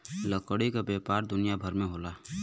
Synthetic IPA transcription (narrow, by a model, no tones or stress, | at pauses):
ləkəɽikabeːpaːɾd̪ʊnijabʱɐɾmẽɦoːlaː